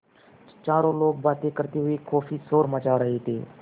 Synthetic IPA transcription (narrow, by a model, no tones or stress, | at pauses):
t͡ʃaːɾõːloːk̚baːt̪eːkəɾt̪eːɦʊiːkʰɔːfiːsoːɾmət͡ʃaːɾəɦeːt̪ḛː